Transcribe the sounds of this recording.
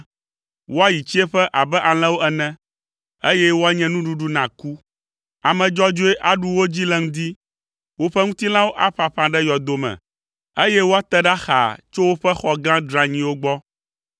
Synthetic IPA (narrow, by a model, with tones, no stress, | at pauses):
wo˦a˦ji˨t͡ɕi˦e˦ɸɛ˦ʔa˨bɛ˦ʔa˨l̃ɛ̃˦wo˦ɛ˦nɛ̃˦ | e˦jɛ˦wo˦a˦ɲɛ̃˦nũ˦ɖu˦ɖu˦nã˨ku˦ | a˨mɛ̃˨d͡ʒɔ˦d͡ʒo˦e˦ʔa˨ɖu˦wo˦d͡ʑi˦lɛ˦ŋ̩̃˦d̪i˦ | wo˦ɸɛ˦ŋũ˦t̪i˦lã˦wo˦ʔa˦ɸa˨ɸã˨ɖɛ˦jɔ˨d̪o˨mɛ̰̃˨ | e˦jɛ˦wo˦a˦t̪ɛ˦ɖa˦xa̰˨t͡ʃo˦wo˦ɸɛ˦xɔ˨ɡã˦ɖɾa˦ɲĩ˦wo˦ɡ͡bɔ˦